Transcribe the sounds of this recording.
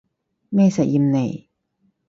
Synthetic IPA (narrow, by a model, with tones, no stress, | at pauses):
mɛː˥˩sɛ˨˩jiː˧˩mne˨˩j